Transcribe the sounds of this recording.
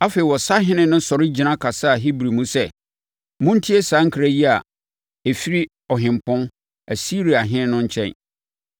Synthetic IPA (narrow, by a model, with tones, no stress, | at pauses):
a˦fe˨i˨wɔ˨sa˦ɦɪ̃˦nɪ̃˦nʊ̃˦sɔ˨ɾɪ˦d͡ʑi˨nã˦kʰa˨sa˦˨ɦi˦bɾi˨mũ˦sɛ˦ | mʊ̃˦n̩˦tʰi˦e˦sãː˨˦ŋ̩˦kʰi˦ɾa˦ji˦a˨ | e˨fi˦ɾi˦ | ɔ˨ɦɪ̃˨m˨pʊ̃˦n | æ˨si˦ɾi˨a˨ɦɪ̃˦ɪ̃˦nʊ̃˦ɲ˦t͡ɕʰɛ̰̃˨n